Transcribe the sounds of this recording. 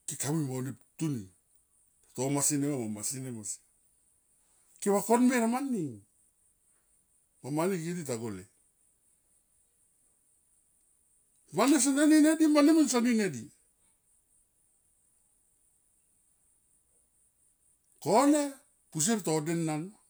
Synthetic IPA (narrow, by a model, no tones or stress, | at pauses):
kikamimoniptuni | tatomasinemamamasinemasi̥ | keβakonmeɾamanːiŋ | mamanikedit̬aɡole | manes̬aneninedimanemensaninedi | kone | pus̬eɾtodenːan